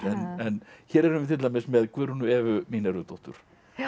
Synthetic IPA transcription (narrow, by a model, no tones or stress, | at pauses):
ɛnɛnçɛːɾɛɾʏnvɪt̪ʰɪlamɪsmɛðkʰvœːɾʏnʏɛːvʏmiːnɛɾʏt̪ɔht̪ʏ̰ɾ̥